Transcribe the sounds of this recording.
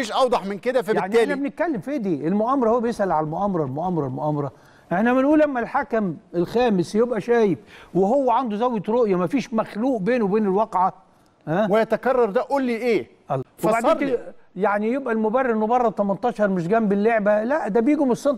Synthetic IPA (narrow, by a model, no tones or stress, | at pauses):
fiːʃʔɑwd̪ˤɑħmenked̪æfæjeʕntiːæʔːlænæbenet̪̚kælːemfed̪iːʔelmoʔæːmɑɾˤɑhowːæbjesʔælʕalælmoʔæmɑɾˤɑlmoʔæmɑɾˤɑlmoʔæmɑɾˤɑ | ʔeħnæmɪnʔuːlʔæmːælħakæmelxæːmɪsjebʔæʃæːjɪfweɦowːæʕand̪uzæwːet̪ɾoʔjɑmæfiːʃmæxluːʔbeːnowebeːnelwɑqʕa | hæwejæt̪ækɑrˤːɑɾˤd̪æʔuːlːiːʔeː | ʔbaʕd̪æːjaʕnijebʔælmobærːeɾenːobɑrˤːɑt̪æmænt̪ˤɑːʃɑɾˤmeʃ̬ɡæmbelːeʕbælæʔd̪æːbjiːɡomesˤːont̪